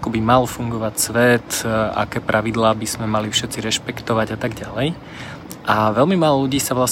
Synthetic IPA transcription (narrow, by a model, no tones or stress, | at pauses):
kɔbimalfuŋɡɔʋacsʋɛt̪a̰kɛːpɾʔaʋid̪laːbiz̥mɛmalifʃɛt̪t͡siɾɛʃpɛkt̪ɔʋaɟat̪aɡɟalɛj | ʔaʋɛlmimaːlɔluɟiːsaʋlas